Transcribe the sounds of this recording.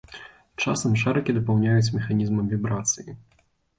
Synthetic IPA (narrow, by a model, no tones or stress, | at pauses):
t͡ʂasɛmʂɛɾɔkʲid̪ɔpɛwɲʲajut͡sʲmʲɛxaɲʲizmɐmvʲibɾat̪sʲjḭ